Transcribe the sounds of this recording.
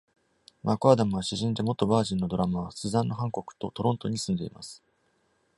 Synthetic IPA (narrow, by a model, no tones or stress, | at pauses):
makoad̪amɯβaɕiʑĩnd̪e̞mo̞t̪ːo̞baːʑĩnːo̞d̪o̞ɾamaβasɨzãnːo̞ɦãŋko̞kɯ̟̥t̪o̞t̪o̞ɾõ̞nt̪o̞ɲ̟isɨ̃nd̪e̞ima̰sɨ̥